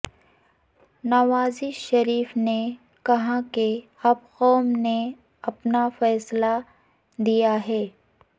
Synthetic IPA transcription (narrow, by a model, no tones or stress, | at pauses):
naʋaːziʃɐɾiːfne | kɐɦãke | ɐbqɔːmne | ɐpnafɛːsla | d̪ijaɦɛː